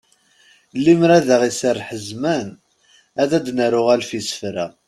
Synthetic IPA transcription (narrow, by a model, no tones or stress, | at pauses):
lːimɾæðaʁisərħəzmæn | æðæd̪nəɾʊʁælfisə̥fɾæ